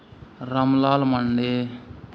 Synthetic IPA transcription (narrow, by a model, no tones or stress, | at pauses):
ɾɐmlaːlmɐɳɖe